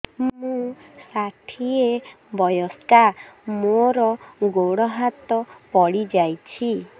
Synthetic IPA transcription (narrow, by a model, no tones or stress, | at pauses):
mmũsaʈʰie | bɔjɔskamoɾɔɡoɽɔɦat̪ɔpɔɽid͡ʒajt͡ʃʰi